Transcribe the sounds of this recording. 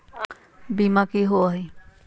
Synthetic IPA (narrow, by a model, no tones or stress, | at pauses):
bimakiɦoaɦi